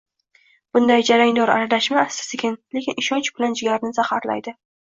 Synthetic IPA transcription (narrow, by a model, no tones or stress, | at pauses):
b̥ʊnd̪ajd͡ʒaɾaŋd̪ɒɾa̰ɾad̪aʃmaːsɪ̥sɪkʲʰɪnle̞kʲɪnɪʃɒnt͡ʃbɪland͡ʒɪɡʲaɾɪnɪzaχaɾla̰jd̪ɪ